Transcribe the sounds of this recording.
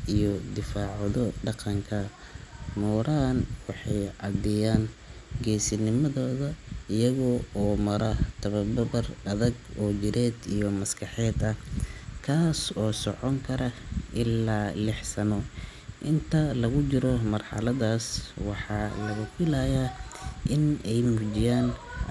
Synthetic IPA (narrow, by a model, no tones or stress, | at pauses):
ʔijɔd̪ɪfaːʕðɔɖɑqɑŋkʰɐ | mɔːɾʔaːnwɑħɑjʕɑd̪ɛjaːn | ɡɛːsɪnɪmɐðɔːðɐɪjɐɣɔːɔːmɐɾɐt̪ʰɐβɐbɐbɐrɐðɐɡɔːd͡ʒɪɾɛːd̪ijɔmɐskʰɑħɛːd̪ɐkʰaːsɔːsɔʕɔŋkʰɐɾɐʔɪlːaːlɪħsɐnɔ | ʔɪnt̪ʰɐlɐɣʊt͡ʃɪɾɔmɐrħɑ̰lɐðaːswɑħɑːlɐɣɐfɪlaːjaːʔɪnɛjmuːd͡ʒɪjaːn